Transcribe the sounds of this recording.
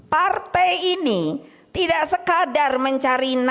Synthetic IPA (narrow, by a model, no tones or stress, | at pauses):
part̪ɛjini | t̪idaʔsəkadarməɲt͡ʃaɾin